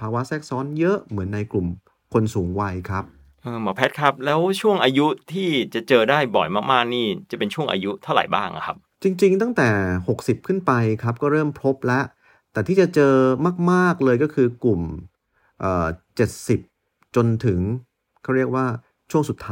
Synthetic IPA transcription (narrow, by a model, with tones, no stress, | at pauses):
pʰaː˧wa˦˥sɛː˥˩k̚sɔː˦˥njɤ˦˥ʔmɯ˩˦nːa˧jklu˨˩m | kʰo˧nsuː˩˦ŋwa˧jkʰɾa˦˥p̚ | ʔɤː˧mɔː˨˩pʰɛ˦˥kʰɾa˦˥p̚lɛː˦˥wt͡ɕʰu˥˩əŋʔaː˧ju˦˥t̪ʰiː˥˩t͡ɕa˨˩t͡ɕɤː˧daː˥˩jbɔ˨˩jmaː˥˩k̚maː˥˩k̚niː˥˩t͡ɕa˨˩pe˧nt͡ɕʰu˥˩əŋʔa̰ː˧ju˦˥t̪ʰa˥˩wɾa̰˨˩jbaː˥˩ŋʔa̰˨˩kʰa˦˥p̚t͡ɕi˧ŋt͡ɕi˧ŋt̪a˥˩ŋt̪ɛː˨˩ho˨˩k̚si˨˩p̚kʰɯ˥˩npa˧jkʰa˦˥p̚kɔː˥˩ɾɤː˥˩mpʰo˦˥p̚lɛ˦˥ʔ | t̪ɛː˨˩t̪ʰiː˥˩a˨˩t͡ɕɤː˧maː˥˩k̚maː˥˩k̚lɤː˧jkɔː˥˩kʰɯː˧klu˨˩m | ʔaː˨˩t͡ɕe˨˩t̪̚si˨˩p̚ | t͡ɕo˧nt̪ʰɯ˩˦ŋ | kʰa˥˩wɾi˥˩ək̚waː˥˩ | t͡ɕʰu˥˩əŋsu˨˩t̪ʰːa˦